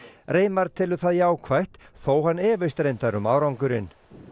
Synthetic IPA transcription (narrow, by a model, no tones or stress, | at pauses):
reːjmaɾ̥t̪ʰɪlʏθaðjaːwkʰvajht̪θoːwhanːɛːvɪst̪ɾejnt̪aɾʏmaːwɾawŋkʏɾɪn